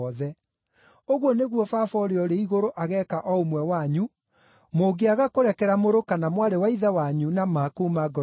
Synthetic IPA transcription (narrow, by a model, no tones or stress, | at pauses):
ðɛ | oɣwɔneɣwɔfafɔɾeɔɾeiɣoɾoʔaɣɛkaʔɔomwɛwaɲu | moɡeaɣakoɾɛkɛɾamoɾokanamwaɾewaiðawaɲunamakumaɡɔ